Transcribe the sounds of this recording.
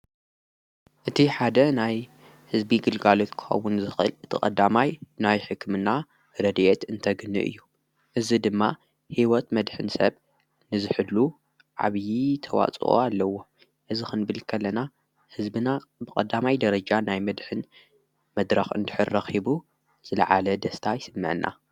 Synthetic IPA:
ʔɨt̪ʰiħad̪ɐnaj | hɨzbiɡɨlɡalo̞t̪kʰɨ̥xɐ̰wːunzɨxɨ̰lɨt̪ʰɨkʼɐd̪ːamajnajħɨkːmɨna | ɾɐd̪ʔet̪ɨnt̪ʰɐɡɨnːɨ̰ʔɨ̰jːu | ʔɨzid̪ɨmːa | hiwɔt̪mɐd̪ħɨnsɐ̰β | nɨzɨħɨlːu | ʕa̰βjit̪ʰɐwa̰t͡sʼo̰alːɐwo̞ | ʔɨzixɨnbɨlkʰɐlːɐna | hɨzbɨnabɨkʼɐd̪ːamajd̪ɐɾɐd͡ʒanajmɐd̪ħɨn | mɐd̪ɾɐxɨ̰nd̪ɨ̥ħɨɾːɐxibu | z̥ɨlɐ̰ʕalɐd̪ɐst̪ʰajɪsɨmːɨ̰ʕɨnʔa̰

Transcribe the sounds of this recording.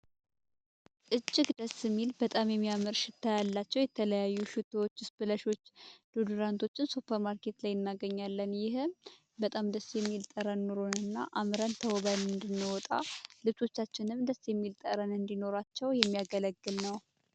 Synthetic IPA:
ʔɨt͡ʃʼːɪɡd̪əsɨmːilbət̪ʼamjɛmːiamɨɾʃɪt̪ʰːajalːat͡ʃːɛwjɛt̪ʰələjajːuʃut̪ʰowot͡ʃːɪsbɨləʃo̞t͡ʃːd̪̥ud̪uɾant̪ʰo̞t͡ʃːɪnsupʰːəɾmaɾke̞t̪lajɨnːaɡəɲːalːənjɪhm | bət̪ʼamd̪əsjɛmːilt̪ʼəɾənːuɾonɨnːaʔamɾənt̪ʰəwɔβanmɨnd̪ɨnːɨwɔt̪ʼa̰lɨβt͡ʃʼo̞t͡ʃːat͡ʃːɪnɨmd̪əsjɛmːilt̪ʼəɾənɨnd̪ino̞ɾat͡ʃːɛwjɛmːijaɡələɡːɨlnəw

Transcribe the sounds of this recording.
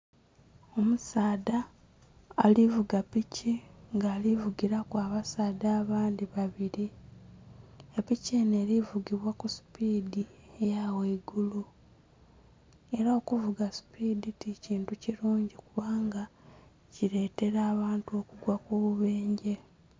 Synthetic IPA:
o̞musaːdaː | livuɡapiciŋɡaːlivuɡiɾakwaːβasaːdaːβaːnd̪iβaβiɾi | epicene̞ːɾivuɡiβwakusi̥piːdiejaweiɡulu | e̞ɾaokuvuɡasi̥piːditiciːntuciɾuːɲɟikuβaːŋɡa | ciɾe̞ːte̞ɾaːβaːntuo̞kuɡwakuβuβe̞ːɲɟe̞

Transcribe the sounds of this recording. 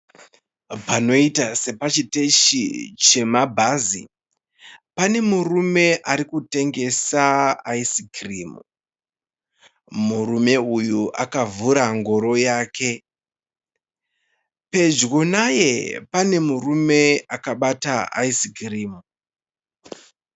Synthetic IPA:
pano̞itase̞pat͡ʃite̞ʃit͡ʃe̞mabʱazḭ | pane̞murume̞ʔaɾikute̞ŋɡe̞saaisiɡiriːmu | murume̞ujuʔa̰kavuɾaŋɡo̞ɾo̞jaːkʰe̞ | pe̞d͡ʒɡo̞naje̞pane̞murume̞akaɓataa̰isiɡiriːmu

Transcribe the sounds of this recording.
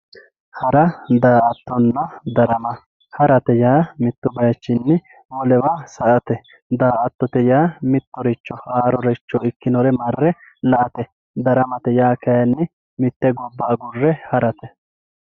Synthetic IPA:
hɐɾɐd̪aːʔɐt̪ːɔnːɐd̪ɐɾɐmɐ | hɐɾɐt̪ɛjaːmɪt̪ːʊbɐjɐt͡ʃːɪnːɪ | wɔlɛwasɐʔɐt̪ɛ | d̪aːʔɐt̪ːɔt̪ɛjaːmɪt̪ːɔɾɛt͡ʃːɔaːɾɔɾɛt͡ʃːɔɪkːɪnɔɾɛmɐrːɛ | lɐʔɐt̪ɛ | d̪ɐɾɐmɐt̪ɛjaːkɐjɐnːɪ | mɪt̪ːɛɡɔbːaːɡʊrːɛhɐɾɐt̪ɛ

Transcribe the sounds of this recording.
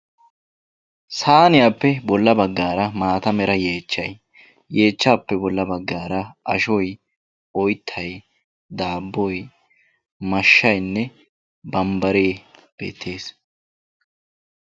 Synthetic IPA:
saːnɪjaːpːɛbɔlːɐbɐɡːaːɾɐmaːt̪ɐmɛɾɐje̞ːt͡ʃːɐj | je̞ːt͡ʃːaːpːɛbɔlːɐbɐɡːaːɾɐɐ̰ʃɔj | ɔjt̪ʰːɐj | d̪aːbːɔj | mɐʃːɐjnːɛ | bɐmbɐɾeːb̥ḛːt̪ʰːe̞ːs

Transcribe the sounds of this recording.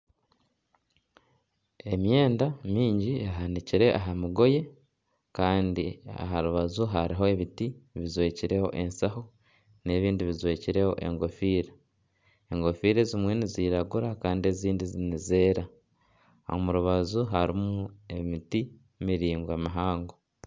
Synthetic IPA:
e̞mje̞ːndamiːɲɟiaɦaniciɾe̞ʔaɦamuɡo̞je̞ | kaːndia̰ɦaɾuβazuɦaɾiɦo̞eβitiβizwe̞ːciɾe̞ho̞̰ʔe̞nsaho | ne̞βiːndiβizwe̞ːciɾe̞ho̞̰ʔe̞̰ŋɡo̞fiːɾe | eŋɡo̞fiːɾezimwe̞niziɾaɡuɾakaːndie̞ziːndizinize̞ːɾa̰ | omuɾuβazuɦaɾimuemiti | miɾiːŋɡwamaɦaːŋɡo

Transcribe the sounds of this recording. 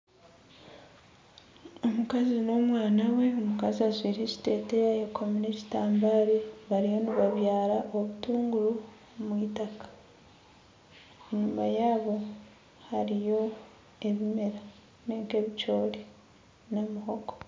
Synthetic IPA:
o̞mukazino̞mwaːnawe̞omukaziazwiːɾeci̥te̞tejajekʰomineci̥taːmbaːɾeβaɾijo̞niβaβjaːɾaʔo̞βutuːŋɡuɾu | mwiːtakḁ | eɲumajaːβo̞ | haɾijo̞ | e̞βime̞ɾa | neːŋke̞βit͡ʃoːle | namuho̞ko̥

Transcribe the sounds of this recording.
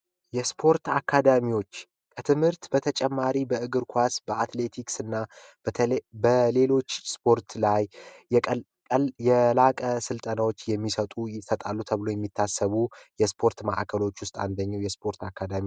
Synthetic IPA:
jɛspʰo̞ɾt̪akʰːad̪amiwo̞t͡ʃː | kʼʰət̪ʰɨmhɨɾt̪bət̪ʰət͡ʃʼɛmːaɾibəɨɡɨɾkʷʰasbəʔat̪le̞t̪ʰiksɨnːa | bəle̞lo̞t͡ʃːspʰo̞ɾt̪laj | jɛlakʼəsɨlt̪ʼənawo̞t͡ʃːjɛmːisət̪ʼujɪsət̪ʼalːut̪ʰəβlo̞jɛmːit̪ʰːasːəβujɛspʰo̞ɾt̪ma̰ʔa̰kʰəlo̞t͡ʃːwʊst̪ʼa̰nd̪əɲːawjɛspʰo̞ɾt̪akʰːad̪ami

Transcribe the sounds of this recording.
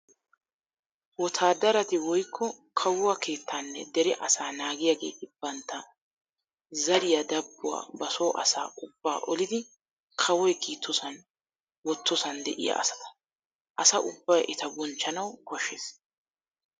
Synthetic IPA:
wɔt̪ʰaːd̪ɐɾɐt̪ɪwɔjkʰːɔkʰɐwʊwake̞ːt̪ːaːnːɛ̰d̪ɛɾɪʔɐsaːnaːɡɪjaːɡeːɪb̥ːɐnt̪ːɐ | zɐɾɪjɐd̪ɐbːʊwa̰ːbɐso̞ːʔɐ̰sa̰ːʊbːa̰ːʔɔlɪd̪ɪ | kʰɐwɔjkiːt̪ʰːɔsɐn | wɔt̪ːɔsɐnd̪ɛ̰ʔɪ̰jɐ̰ʔɐ̰sɐ̥t̪ɐ̥ | ʔɐsɐʔʊbːɐjʔɪt̪ɐbɔnt͡ʃːɐnɐwkɔʃːeːs

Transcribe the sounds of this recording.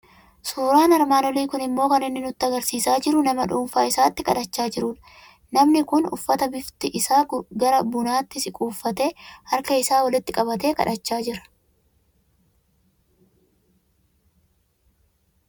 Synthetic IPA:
suːɾaːnɐɾmaːnɔliːkʊnɪmːo̞ːkɐnɪnːɪnʊt̪ːɐɡɐɾsiːsaːd͡ʒɪɾʊnɐmɐᶑuːɱfaːɪsaːt̪ːɪkɐᶑɐt͡ʃːaːd͡ʒɪɾʊːᶑɐ̥ | nɐmnɪkʊnʊ̰fːɐt̪ɐbɪft̪ɪʔɪsaːʊɡɐɾɐbʊnaːt̪ːɪsɪkʼuːfːɐt̪e̞ːhɐɾkɐɪsaːwɐlɪt̪ːɪkʼɐbɐt̪e̞ːkɐ̰ᶑɐt͡ʃːaːd͡ʒɪɾɐ̥

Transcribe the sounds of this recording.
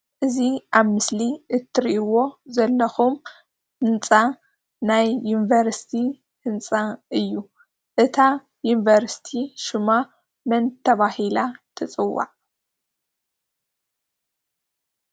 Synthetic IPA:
ʔɨziʔaβmɨsliʔɨt̪ʰːɨɾiʔiwo̞zɐlːɐxum | hɨnt͡sʼa | najːunivɐɾsi̥t̪ʰi | hɨnt͡sʼaɨjːu | ʔɨt̪ʰa | junvɐɾsi̥t̪ʰiʃɨma | mɐnt̪ʰɐβahilat̪ʰɨt͡sʼɨwːa̰ʕ

